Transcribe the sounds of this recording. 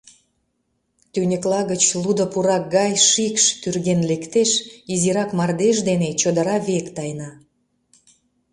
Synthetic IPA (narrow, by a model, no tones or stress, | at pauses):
t̪ynʲəklɑɣət͡ɕlud̪əpuɾɑk̚ɡɑjʃikʃt̪yrɣenlekt̪eʃiziɾɑkmɑrd̪eʃ̬d̪enet͡ɕod̪əɾɑβekt̪ɑjnɑ